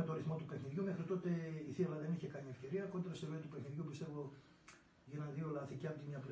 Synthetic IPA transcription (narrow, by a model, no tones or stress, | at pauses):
et̪oɾiθmo̞t̪upe̞xniðʝumexɾit̪o̞t̪e̞iθilɐðe̞niçe̞kɐniefce̞ɾiɐko̞nd̪ɾɐsevet̪upexniðʝupist̪e̞vo | ʝinɐnd̪iolɐθiciɐnt̪imɲɐpl